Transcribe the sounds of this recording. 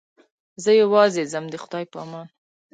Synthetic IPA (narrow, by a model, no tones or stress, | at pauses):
zəjawɑzezamd̪əxʊd̪ɑjpəɑmɑn